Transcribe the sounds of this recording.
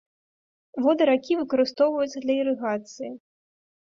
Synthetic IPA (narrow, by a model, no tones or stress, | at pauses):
vɔd̪ɨɾakʲivɨkɐɾɨst̪ɔwvɐjut̪sɐd̪lʲɐiɾɨɣat̪sɨji